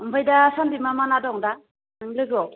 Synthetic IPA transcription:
umbajdasandimamanadɔŋda | nɯŋlɯɡɔ

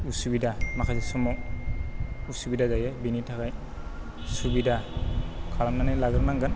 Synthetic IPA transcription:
usubidamakʰazasɔmɔk | usubidazajabinitʰakaj | subida | kʰalamnanajlaɡɾnaŋɡan

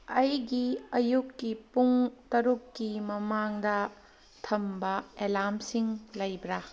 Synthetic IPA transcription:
ɐjɡiɐjukːipuŋtɐɾukːimɐmaŋdɐ | tʰɐmbɐelamsiŋlɐjbɾa

